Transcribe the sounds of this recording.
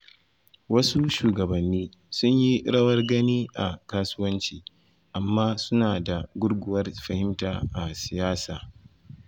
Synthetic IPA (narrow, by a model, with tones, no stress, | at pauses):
wɐ˦su˦ʃuː˨ɡɐ˨bɐ˨nːiː˦ | sʊ˦ɲji˦ɽɐ˦wɐ˦rɡɐ˦niː˦ʔa˨kaː˦sʊ˦wɐ˦nt͡ʃiː˨ | ʔa˨mːaː˦sʊ˦naː˨da˨ɡʷʊ˦ɽɡʷʊ˨wɐ˦rɸɐ˨hɪ˦mtaː˨ʔa˨sɪ˨jaː˦saː˨